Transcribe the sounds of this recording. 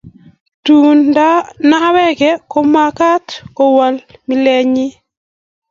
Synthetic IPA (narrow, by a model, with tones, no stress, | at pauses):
tu˨nda˦na˦wɛ˦kɛ˦ko˦ma˦ka˦tko˨wa˨lmi˦lɛ˦ɲɪ˦